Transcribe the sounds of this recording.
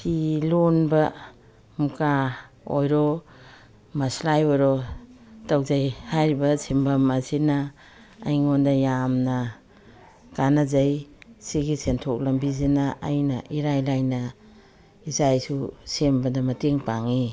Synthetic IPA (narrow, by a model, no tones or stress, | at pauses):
silonbɐ | muka | ojɾo | mɐslajoɾotawzajhajɾibɐsimbɐmasinaː | jŋondɐjamnɐ | kanazajsiɡisentʰok̚lɐmbizinɐ̰ːjnɐʔiɾajlajnɐ | izajsusembɐdɐmɐteŋpaŋi